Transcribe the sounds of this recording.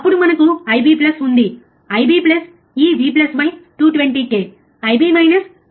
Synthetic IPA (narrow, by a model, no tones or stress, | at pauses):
ɐpːuɽumɐnɐkuɐjbiːplɐsund̪i | ɐjbiːplɐs | iːʋiːplɐsbɐjʈuːʈʋeɳʈiːkeː | ɐjbiːmɐjnɐs